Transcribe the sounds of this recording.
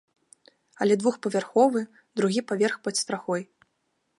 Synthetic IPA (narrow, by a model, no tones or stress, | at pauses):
ɐ̰lʲɛd̪vuxpɐvʲarxɔvɨ | d̪ɾuɣʲipavʲɛrxpɐt̪st̪ɾaxɔj